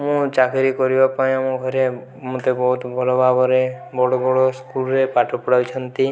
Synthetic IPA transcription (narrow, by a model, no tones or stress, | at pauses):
mũt͡ʃakʰeɾikɔɾibapaj̃amũɡʱɔɾe | mũt̪ebɔɦut̪bʱɔlobʱabɔɾebɔɽobɔɽoskulɾepaʈɔpɔɽawt͡ʃʰɔnt̪i